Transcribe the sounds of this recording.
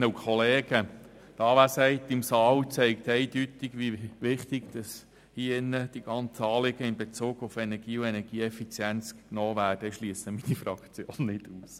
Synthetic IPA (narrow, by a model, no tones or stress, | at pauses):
nəukʰɔleːɡ̥ə | d̥̪ɑːʋæsɛɪt̪ɪmsɑːwt͡sɛɪkt̪ɛɪdytɪɡ̥ʋiʋɪχt̪ɪɡd̥ɑs | hiːɪnːəd̥iɡ̥ɑnt͡səɑːlɪɡ̥əɪnbet͡suːɡufɛnɛɾɡ̥iːuɛnɛɾɡ̥iːɛfit͡sjɛnt͡sknɔːʋæːɾd̥əʃliəsəminifɾɑkt͡sjoːnːɪd̥uːs